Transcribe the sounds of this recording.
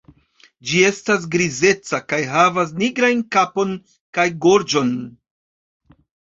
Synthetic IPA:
d͡ʒie̞stas̬ɡɾize̞t͡sakajɦavas̬niɡɾajnkapo̞n | kajɡo̞ɾd͡ʒo̞n

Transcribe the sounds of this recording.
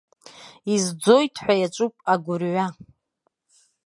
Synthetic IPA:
izd͡zo̞jtʰʼħʷᶣajat͡ʃʷʼupʼaɡʷʊrʕʷa

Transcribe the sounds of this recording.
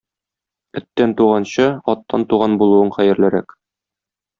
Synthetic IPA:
ɵ̆t̪ːænt̪uʁɑnɕɤɒt̪ːɑnt̪uʁɑnbulˠuɤɴχæjɘ̆ɾlæɾæ̰k

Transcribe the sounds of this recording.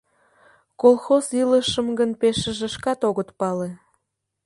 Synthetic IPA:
kolˠxoziləʃəmɡənpeʃə̆ʒĕʃkɑt̪oɣət̪pɑle

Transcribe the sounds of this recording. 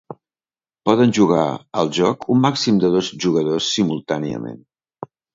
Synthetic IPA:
pɔðənʲʒuɣa̰ə̰lˠʒɔkʰumːaksimd̪əðozʒuɣəðosːimulˠt̪aniə̰mḛn

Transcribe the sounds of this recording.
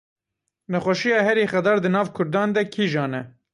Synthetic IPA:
nɛxɛʃijɑːhɛɾiːxɛd̪ɑːɾd̪ɨnɑːvkʰʊɾd̪ɑːnd̪ɛkʰiːʒɑːnɛ

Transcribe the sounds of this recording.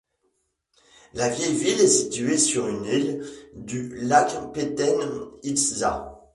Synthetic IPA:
lavjɛjvilɛsit̪yesyʁynild̪ylakpet̪ɛnisza̰

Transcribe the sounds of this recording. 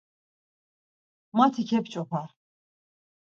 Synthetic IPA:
mat̪ʰikʰɛpt͡ʃʼɔpʰaɾ

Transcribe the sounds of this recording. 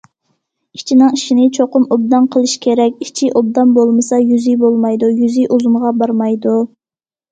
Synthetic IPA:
i̥t͡ʃʰinɨŋiʃinɪt͡ʃʰoqʊmob̚d̪ɑnqʰəlˠɨʃkʲʰeɾɛkʲit͡ʃʰiʔob̚d̪ɑnbolˠmɨsɑjyzibolˠmɑjd̪ujyzijʔuzumʁɑbɑɾmɑjd̪u

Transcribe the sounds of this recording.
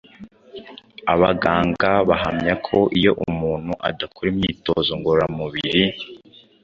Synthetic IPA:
aβaɡaːŋɡaβaɦamɲakʰo̞ʔijo̞ʔumuːn̥huʔa̰dakoɾimɲiːto̞̰zoŋɡoɾɾamuβiɾi

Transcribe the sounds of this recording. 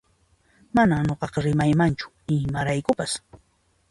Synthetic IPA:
manaɲoqɑqɑɾɪmajmant͡ʃʊ̥ | ɪmaɾajkʊpas

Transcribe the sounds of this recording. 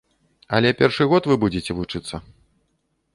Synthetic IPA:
ɐlʲɛpʲɛrʂɨɣɔt̪vɨbud͡zʲet͡sʲɛvut͡ʂɨt̪sːɐ

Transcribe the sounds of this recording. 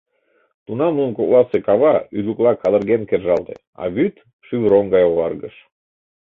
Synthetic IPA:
t̪unɑmlunkolɑsekɑβɑyluklˠɑkʰɑd̪əɾɣenkerʒɑlˠt̪ḛ | ɑ̰βyt̪ | ʃyβɾoŋɡɑjoβɑrɣəʃ

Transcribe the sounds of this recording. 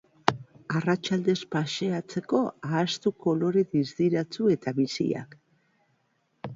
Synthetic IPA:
arat͡ʃald̪e̞spaʃe̞at͡se̞ko̞aːst̪uko̞lo̞ɾeðizd̪iɾat͡sue̞t̪aβisḭa̰k

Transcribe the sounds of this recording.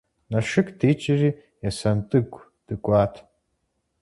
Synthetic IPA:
naʂɨkʰʼdit͡ʃʰʼɪriː | jasɐntʼɨɡʷʰʼ | d̥ɨkʷʼaːtʰ

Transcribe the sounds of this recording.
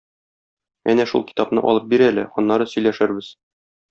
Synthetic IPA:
ænæʃṵlˠki̥t̪ɑpnɤ̰ʔɒ̰lˠɤp̚biɾælɘ̰ɒnːɑɾɤsɵ̆jlæʃæɾbɘz

